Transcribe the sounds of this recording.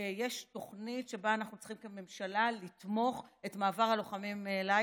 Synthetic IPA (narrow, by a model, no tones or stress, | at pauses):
ejeʃto̞χnitʃe̞baanaχnut͡sχimkeme̞mʃalalitmo̞χe̞tmaːvaʁhalo̞χamimːla